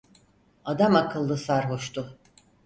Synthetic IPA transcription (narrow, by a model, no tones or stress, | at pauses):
ad̪amakʰɯlˠːɯsaɾɦoʃt̪ʰʊ